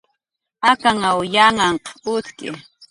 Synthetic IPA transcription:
akaŋawjaŋaɴqʊt̪kɪ̰

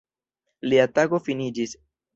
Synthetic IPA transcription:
liataɡo̞finid͡ʒis

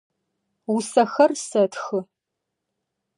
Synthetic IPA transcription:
wʊsɐxɐrsɐtxɨ

